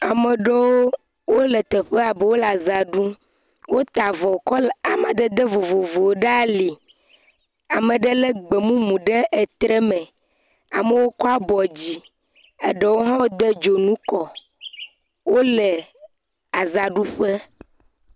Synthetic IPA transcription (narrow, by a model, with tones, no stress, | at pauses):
a˨mɛ˨ɖe˦wo˦ | wo˦lɛ˨t̪ɛ˨ɸe˦a˨bə˦wo˦la˨za˨ɖu˦ | wo˦t̪a˨vɔ˨kɔ˦a˨ma˨d̪ɛ˦d̪e˦vo˨vo˨vo˨ɖa˦li˨ | a˨mẽ˨ɖɛ˦lɛ˦ɡ͡be˨mũ˦mũ˨ɖe˦ʔɛ˨t̪ɾɛ˦mɛ̃˨ | a˨mə˦wo˦kɔ˦a˦bɔ˨d͡ʑi˦ | ɛ˨ɖe˨wo˦ɦã˦wo˦d̪e˦d͡ʒo˨nũ˦kɔ˨ | wo˦lɛ˨ | a˨za˨ɖu˦ɸe˦